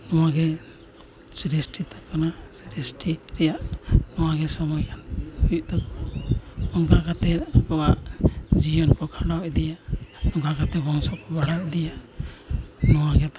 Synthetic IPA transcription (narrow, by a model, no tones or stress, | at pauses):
nɔwaɡɛ | sɾɛsʈit̪ʰakanasɾɛsʈiɾɛjaʔnɔwaɡɛsɔmɔjkʰanut̪ɔ | ɔŋɡakat̪ɛakɔwaʔd͡ʒijɔnpɔkʰalawʔd̪ɛjaɔŋɡakat̪ɛbɔŋsɔpɔbaɽawd̪ɛjaʔ | nɔwaɡɛt̪